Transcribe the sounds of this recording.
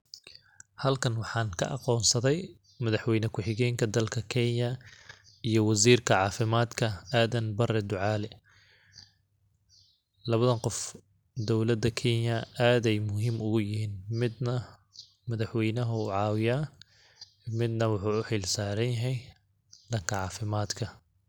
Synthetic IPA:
hɐlkʰɐnwɑħɑːŋkʰɐ̰ʔɑqɔːnsɐðɛj | mɐðɐħwɛjnɐkʰʊħɪɣɛːŋkʰɐd̪ɐlkʰɐkʰɛnjɐ | ijɔwɑziːrkʰɐʕɑːfɪmaːd̪kʰɐaːðɐnbɐrɛd̪ʊʕɑːlɛ | lɐβɐðɐqɔf | d̪ɔwlɐd̪ɐkʰɛnjɐaːd̪ɛjmʊɦɪmʊɣʊjɪɦiːnmɪd̪nɐ | mɐðɐħwɛjnɐɦʊʊʕɑːwɪjaː | mɪd̪nɐwʊħuːʊħɪlsaːɾɐnjɐɦɛj | d̪ɐŋkʰɐʕɑːfɪmaːd̪kʰɐ

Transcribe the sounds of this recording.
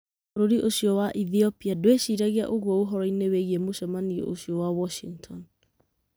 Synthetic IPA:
oɾoɾiʔoɕiɔwaʔiθiopiadoweɕiɾaɣia̰ʔoɣwɔoɦɔɾɔineweɣiemoɕɔmanio̰ʔoɕiɔwawɔʃiŋtʰɔn

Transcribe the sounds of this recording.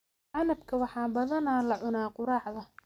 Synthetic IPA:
ʔɑnɐbkʰɐwɑħɑːbɐðɐnaːlɐʕʊnaːqʊɾɑːʕðɐ

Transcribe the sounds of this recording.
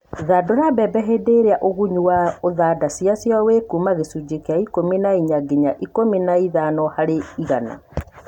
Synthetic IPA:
ðadoɾabɛbɛɦedeɾeaʔoɣuɲuwaoðadasjasjɔwekumaɣesud͡ʑekeaikominaiɲaɡeɲaʔikominaiðanɔhaɾeiɣana̰

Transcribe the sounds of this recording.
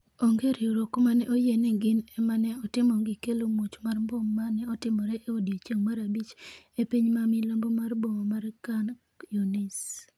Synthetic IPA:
oŋɡeɾiuɾokomanɛʔojenɪɡɪnɛmanɛɔtɪmɔŋɡɪkelomut͡ʃmarmboŋːanɛɔtɪmɔɾɛʔeodjet͡ʃeŋmaɾabit͡ʃ | epiɲmamilombomarboŋomarkan | junis

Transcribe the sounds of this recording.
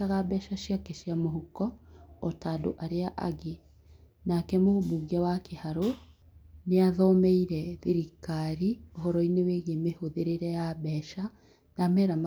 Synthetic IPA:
aɣabɛːʃaʃakeʃiamoɦukɔːtaːdo̰ʔaɾeaʔa̰ɣe | nakɛmoomuɣiawakehaɾo | neaðɔmɛiɾɛðiɾikaɾioɦɔɾɔineweɣemehoðeɾeɾɛjabɛʃa | namɛɾama

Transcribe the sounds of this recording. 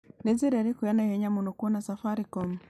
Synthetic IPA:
niziɾeɾikujanahɛɲamunokuɔnasafaɾikɔm

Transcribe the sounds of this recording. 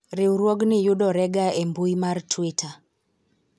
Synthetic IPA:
ɾɪwɾwoɡnɪjuɗɔɾɛɡaembuimartʰwitʰa

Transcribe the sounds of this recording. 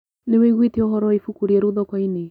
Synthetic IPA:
neweɣweteɔɦɔɾɔifukuɾieɾuðɔkwaine

